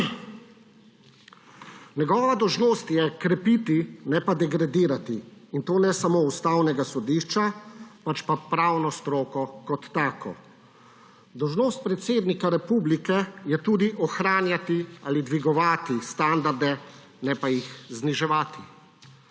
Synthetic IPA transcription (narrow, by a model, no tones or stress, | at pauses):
nɛɡɔːʋad̪ɔwʒnoːst̪jɛkɾɛpit̪inɛpad̪ɛɡɾad̪iːɾat̪iːnt̪oːnɛsamoust̪aːwnɛɡasɔd̪iʃt͡ʃapat͡ʃpapɾaːwnɔst̪ɾoːkɔkɔt̪ːaːkɔ̰ | d̪ɔwʒnoːst̪̚pɾɛt̪seːd̪nikaɾɛpublikɛjɛt̪uːd̪iʔɔxɾaːnjat̪ialid̪ʋiɡɔʋaːt̪ist̪and̪aɾd̪ɛ | nɛpajixzniʒɛʋaːt̪i